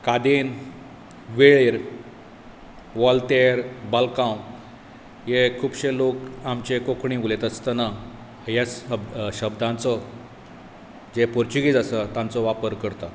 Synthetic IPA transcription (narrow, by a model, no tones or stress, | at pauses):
kad̪in | ʋeɭeɾ | ʋɔlt̪eɾbalkãw | jekʰuːbɕelokamt͡ɕekokʰɳĩʋulet̪əst̪əna | jat͡səbɕəbd̪ãnt͡sɔ | d͡zepɔɾt͡ɕuɡid͡zasət̪ãnt͡sɔʋapəɾkəɾt̪a